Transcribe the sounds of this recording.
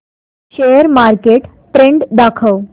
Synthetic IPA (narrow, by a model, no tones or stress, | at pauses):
ɕejəɾmaɾkeʈ | ʈɾeɳɖd̪akʰəw